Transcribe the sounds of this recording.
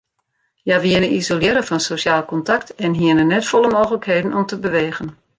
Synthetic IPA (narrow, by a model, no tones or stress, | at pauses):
jaʋiɪnənizoljɪɾəfɔnsoːsjaːlˠkɔntaktɛnɦiənənɛtfɔləmoːɣələkheːdənʔɔmtəbəʋeːɣən